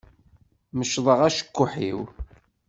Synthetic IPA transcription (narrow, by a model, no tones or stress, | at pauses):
məʃðˤəʁæʃə̥kːʊħḭw